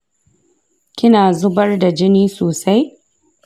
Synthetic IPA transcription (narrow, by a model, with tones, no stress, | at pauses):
kʲɪ˦naː˨zʊ˦bɐ˦rda˨d͡ʒɪ˦niː˦soː˨sa˦j